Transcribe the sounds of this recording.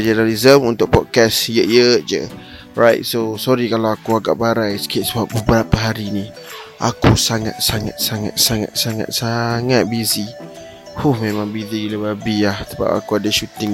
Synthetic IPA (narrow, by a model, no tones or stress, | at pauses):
d͡ʒənalizəmunt̪ʊk̚pɔt̪̚kasjəʔjəd͡ʒə̰ | ɹajt̪̚sosɔɾikalawakuaɡa̰ʔbaɾajsə̥kiat̪səbap̚bəbəɾapaɦaɾini | ʔa̰kusaŋa̰t̪̚saŋa̰t̪̚saŋa̰t̪̚saŋa̰t̪̚saŋa̰t̪̚saŋat̪̚bizi | huhmẽmãŋbiziləbabiahsəba̰pa̰kuadəʃut̪ɪŋ